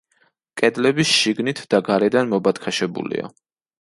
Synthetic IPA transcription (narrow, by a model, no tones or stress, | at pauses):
kʼɛd̪lɛbisʃiɡnit̪ʰd̪̥aɡaɾɛd̪anmɔbat̪kʰaʃɛbṵlḭa̰